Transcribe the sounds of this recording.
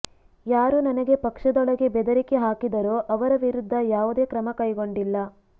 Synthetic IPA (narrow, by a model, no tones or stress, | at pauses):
jaːɾunɐnɐɡe̞pɐkʂɐd̪ɔɭɐɡe̞bɛd̪ɐɾikeɦaːkid̪ɐɾoːʔɐʋɐɾɐʋiɾud̪ʱːɐjaːʋud̪e̞ːkɾɐmɐkɐjɡo̞ɳɖilːɐ